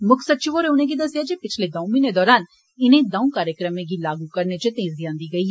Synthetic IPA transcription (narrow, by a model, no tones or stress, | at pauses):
mʊksəd̪̚t͡ʃɪʋoːɾeʊnẽɡid̪ɐsɪjad͡ʒepɪt͡ʃʰled̪ãːũmɪnẽd̪ɔːɾaːn | ɪnẽd̪ãːũkaːɾjəkɾəmẽɡilaːɡukɐɾnet͡ʃət̪ẽːzijãːnd̪iɡɐiːɦɛ